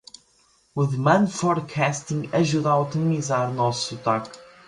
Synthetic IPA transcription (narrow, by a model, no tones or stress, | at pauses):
uðɨmɐ̃nd̪fɔɾkʰɛst̪ĩŋɡɐʒuðaut̪imizaɾunɔsɐt̪ak